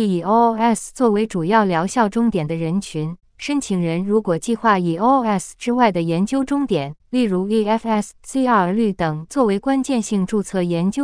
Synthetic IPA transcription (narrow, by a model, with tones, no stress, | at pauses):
o˥ɛ˥˩st͡swɔ˥˩we˧˥ɪʈ͡ʂu˨˩jɑ˥˩ʊljɑ˧˥ʊɕjɑ˥˩ʊʈ͡ʂʊ˥ŋt̪jɛ˨˩nd̪ə˦ɻə˧˥nt͡ɕʰy˧˥n | ʂə˥nt͡ɕʰi˨˩ŋɻə˧˥nɻu˧˥kwɔ˨˩t͡ɕi˥˧xwa˥˩i˨˩o˥ɛ˥˩sʈ͡ʂɻ̩˥wa˥˩ɪd̪ə˩jɛ˧˥nt͡ɕjo˥ʊʈ͡ʂʊ˥ŋt̪jɛ˨˩˦nli˥˩ɻu˧˥i˥ɛ˥fɛ˥˩ssi˥ɐ˥˧˩ly˥˩t̪ɤ˨˩ŋt͡swɔ˥˩we˧˥ɪkwa˥nt͡ɕjɛ˥˧nɕi˥˧ŋʈ͡ʂu˥˧t͡sʰɤ˥˩jɛ˧˥nt͡ɕjo˥